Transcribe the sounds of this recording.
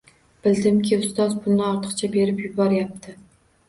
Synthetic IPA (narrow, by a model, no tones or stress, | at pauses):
b̥ɪld̪ɪmkʲʰɪʊst̪ɒzpʰʊlˠnɪɒɾt̪ʰɨ̥qt͡ʃʰabe̞ɾɪpjʊbɒɾjap̚t̪ʰɪ